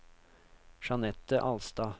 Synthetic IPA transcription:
ʃɑnɛt̪əʔɑlst̪ɑː

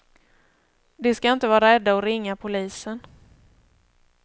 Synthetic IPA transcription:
d̪ɛskaɪnt̪əvɑːɾaɛd̪ːaɔɾɪŋːapʰʊliːsən

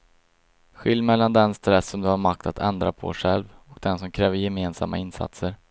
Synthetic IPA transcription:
ɧɪlːmɛlːand̪ɛnst̪ɾɛsːɔmd̪ɵhaɾmak̚t̪ʰat̪ʰɛnd̪ɾapʰɔ̰ɧɛlvɔk̚d̪ɛnsɔmkʰɾɛːvəɾjɛmeːnsa̰mːa̰ɪnsa̰t̪səɾ

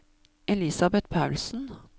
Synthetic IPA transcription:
ʔɛlɪsɑbɛt̪pʰaʉlsn̩

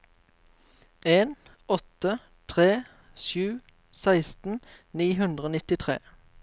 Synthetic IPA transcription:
ʔeːn | ɔt̪ə | t̪ʰʁeː | ʃʉː | sæɪst̪n̩niːɦʉnd̪ʁəoːnɪt̪ɪt̪ʰʁḛː

